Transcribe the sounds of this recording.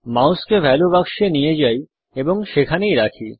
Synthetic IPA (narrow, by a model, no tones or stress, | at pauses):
mawskebʱɛlobakʃenijed͡ʑaj | eboŋʃekʰanejɾakʰi